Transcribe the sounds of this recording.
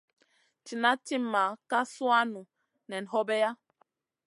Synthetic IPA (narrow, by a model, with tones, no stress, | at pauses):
t͡ʃi˨na˦ti˦mːa˨˦ka˦su˦a˦nu˨ | nɛ˨n˨ɦɔ˦bɛ˦ja˦